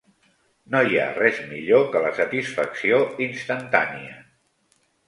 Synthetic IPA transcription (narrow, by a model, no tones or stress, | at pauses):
noja̰rɛzmiʎokələsət̪isfəksioinst̪ənt̪a̰niə